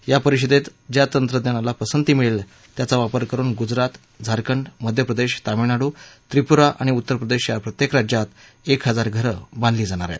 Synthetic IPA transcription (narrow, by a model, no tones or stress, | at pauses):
japəɾiɕəd̪et̪d͡ʑjat̪ənt̪ɾəd̪janalapəsənt̪iːmiɭil | t̪jat͡saʋapəɾkəɾuːnɡud͡zɾat̪ | d͡zʱaɾkəɳɖməd̪ʱjəpɾəd̪eɕt̪aminaɽuːt̪ɾipuɾaʔa̰ɽ̃iut̪ːəɾpɾəd̪eɕjapɾət̪jekɾad͡ʑjat̪ | ekɦəd͡zaɾɡʱəɾəbãnd̪liːd͡zaɽ̃aɾa̰j